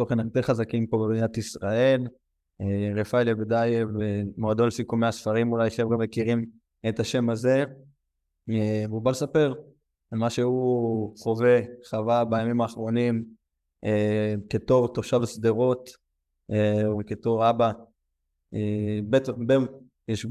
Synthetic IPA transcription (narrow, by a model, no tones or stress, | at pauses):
toχenajt̪eχazakimpobebinat̪isʁae̞l | eʁefajlebed̪ajevemoad̪olsikomeasfaʁimulajʃevɡamekiʁim | et̪aʃe̞maze̞ | vubalesape̞ʁ | almaʃehuχo̞ve̞χavalbajamimaːχʁo̞nim | eket̪o̞ʁt̪oʃavsd̪eʁo̞t̪ | eket̪o̞ʁaba | ebet̪be | jeʃ